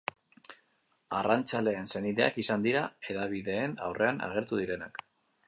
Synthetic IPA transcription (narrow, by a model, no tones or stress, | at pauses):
arant͡sale̞ːnse̞niðe̞a̰kisand̪iɾae̞ðaβiðe̞ːna̰wrʔe̞ana̰ɣ̞e̞ɾt̪uðiɾe̞nak